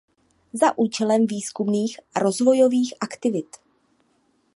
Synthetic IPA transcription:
zaʔuːt͡ʃɛlɛmviːskumniːxaɾo̞zvo̞jo̞viːxʔakt̪ɪvɪt̪

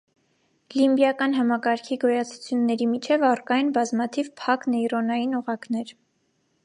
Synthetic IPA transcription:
limbjɑkɑn̪ɦɑmɑkɑɾkʰiɡɔjɑt͡sʰu̥t͡sʰjunːɛɾimit͡ʃʰɛvɑrkɑjnbɑzmɑt̪ʰivpʰɑknɛjɾɔnɑjinɔʁɑknɛɾ

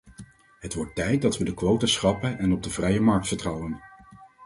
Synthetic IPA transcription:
ɦətʋɔɹtːɛjt̚dɑtʋədəkʋowtasχɑpənɛnɔb̚dəvrɛjəmɑɹk̚tfəɹtrɑwən

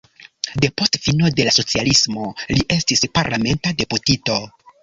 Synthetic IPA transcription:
de̞po̞stfino̞de̞laso̞t͡sialismo̞liʔe̞stispaɾlʔame̞ntade̞putito̞

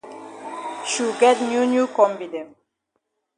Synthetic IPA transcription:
ʃuɡɛtnjunjukɔ̃mfidɛ̃n

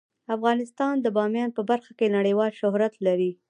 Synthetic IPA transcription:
afɣɑnɪst̪ɑnd̪əbɑmjɑnpəbaɾxakenaɽəjwɑlʃʊɦɾat̪laɾi

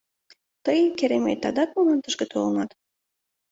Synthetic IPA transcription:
t̪əjkeɾemḛt̪ɑd̪ɑk̪̚munɑnt̪əʃɡĕt̪ʰolənɑt̪

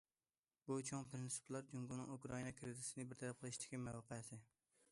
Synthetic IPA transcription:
but͡ʃʰoŋpʰɾɪnsu̥plˠɑɾd͡ʒuŋɡunɪ̰ŋukɾɑinɑkʰɾɪd̪ɪsɪnɪbɪɾt̪ʰæɾæp̚qʰəlˠɨʃd̪ɪ̥kʲimæwqəjɛsɪ

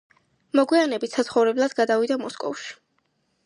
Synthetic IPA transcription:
mɔɡwianɛbit̪ʰsat̪sχɔvɾɛblˠad̪ɡad̪avid̪amɔskʼɔ̰fʃi̥

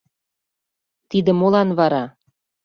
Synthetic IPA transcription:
t̪id̪ə̆molɑnβɑɾɑ

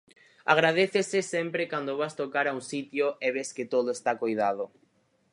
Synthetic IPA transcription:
a̰ɣɾað̞eθesesempɾekand̪oβast̪okaɾauŋsit̪joeβesket̪oðoest̪akojðað̞o

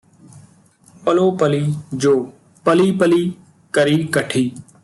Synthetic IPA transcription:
pəloːpəliːd͡ʒoː | pəliːpəliː | kəɾiːkəʈʰiː

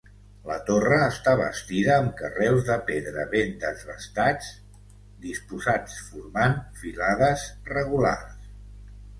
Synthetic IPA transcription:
lət̪orəːst̪aβə̰st̪iðəːmkərɛwzðəpeðɾəβend̪əzβəst̪at͡s | d̪ispuzat͡sfuɾmanfilaðəzrəɣula̰rs

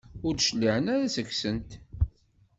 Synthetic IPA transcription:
ʊɾd̪ʃəlːiʕənæɾæsəksənt̪

